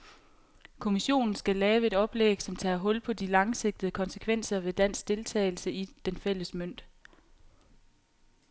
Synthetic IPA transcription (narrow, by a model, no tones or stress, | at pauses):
kʰo̝miɕo̝̰ːnn̩sɡ̥ælɛːʊəe̝d̥ɒ̽b̥leɡ̥sɒ̽mt͡sʰɛ̰ːɦɔ̽l̰pʰɒ̽d̥ilɑ̈ŋse̝ɡ̥̚d̥ð̩ˠəkʰɒ̽nsə̥kʰʋen̰sɐʋe̝d̥æn̰sɡd̥e̝lt͡sʰɛːɪl̩səid̥enfel̰əsmøn̰d̥